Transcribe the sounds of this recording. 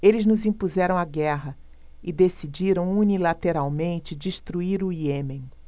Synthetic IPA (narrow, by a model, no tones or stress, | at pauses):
elɪznʊzĩpuzɛɾɐ̃w̃aɡɛɦɐ | ɪd̪esid͡ʒiɾɐ̃w̃unilat̪eɾawmẽnt͡ʃɪd͡ʒiʃt̪ɾuiɾuiemẽj̃